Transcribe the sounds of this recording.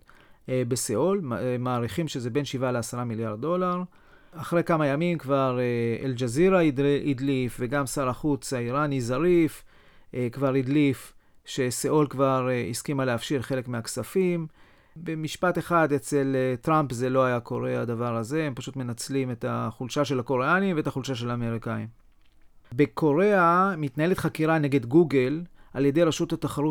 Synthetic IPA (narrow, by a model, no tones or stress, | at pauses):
beseolmaːʁiχimʃezebe̞nʃivaleasaʁamiljaʁd̪̚do̞laʁ | aχʁejkamajamimkvaʁeḛld͡ʒaziʁaid̪lifve̞ɡamsaʁaχut͡saiʁanizaʁif | kvaʁid̪lif | ʃe̞seolkvaʁeiskimaleafʃiʁχe̞le̞kmeaksafim | be̞miʃpate̞χad̪et͡se̞lt̪ʁampze̞lo̞ajako̞ʁe̞aːd̪avaʁaze̞empaʃut̪me̞nat͡slime̞taχulʃaʃe̞lako̞ʁeanimveetaχulʃaʃ̬e̞laːme̞ʁikaim | be̞kʰo̞ʁe̞amitnaelet̪χakiʁane̞ɡe̞dɡuɡe̞lʔalje̞de̞jʁaʃut̪hataχaʁu